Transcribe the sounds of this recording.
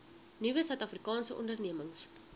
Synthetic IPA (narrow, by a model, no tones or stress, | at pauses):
nivəsœɥtɐfrikɑːnsəʔɔ̰ndərniəməŋs